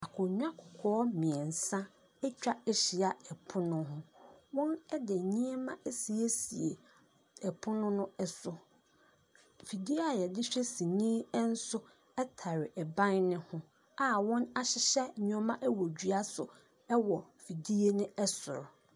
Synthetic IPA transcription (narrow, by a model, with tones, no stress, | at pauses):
a˨kʰʊ˨ɲᶣ˦a˦kʰʊ˨kʰɔː˦mɪ̃˨ɛ˨n̩˨sã˦ | ɛ˦t͡ɕᶣa˦ɛ˦ɕi˨a˨ɛ˨pʰʊ˦nʊ̃˦ɦʊ̃˦wɔ̃˦nɛ˦dɪ˨ɲĩ˦e˦mã˦ɛ˦si˨e˦sḭ˨ḛ˨ | ɛ˨pʰʊ˦nʊ̃˦nʊ̃˦ɛ˨sʊ˨ | fi˨di˦a˨jɛ˨dɪ˦ɕᶣɛ˦sĩ˨nĩː˦n̩˦sʊ˦ | ɛ˦tʰa˨ɾɪ˨ʔɛ˨bã˦nnɪ̃˦hʊ̃˦ | a˨wɔ̃˦na˦ɕɪ˨ɕɛ˦˨ɲ˦ɔ˦mã˦ʔɛ˦wɔ˨d͡ʑɥa˦sʊ˨ | ɛ˦wɔ˨ | fi˨di˦e˦nɪ̃˦ɛ˦sʊ˨ɾʊ˨